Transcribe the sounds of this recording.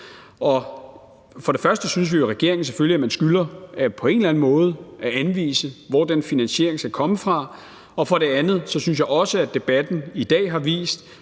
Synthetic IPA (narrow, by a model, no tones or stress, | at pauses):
ɒ̽ | fɒ̽ɾ̥e̝fɶɐsd̥əsyns̬ʋijo̝ʁɛɡ̥e̝ɐ̰e̝ŋn̩s̬e̥føliæmænsɡ̥ylɐæpʰɒ̽e̝nlæn̩mɔ̽ːð̞̩ˠæænʋḭːsəʋɒd̥enfinænɕe̝̰ɐeŋsɡ̥ækʰɒ̽məfʁɑ̈ | ɒ̽fɒ̽ɾe̝ænð̞̩ˠsɒ̽syns̬jɑɪɒ̽səæd̥e̝b̥æd̥n̩id̥ɛ̰ːɦɑ̈ʋḭːsd̥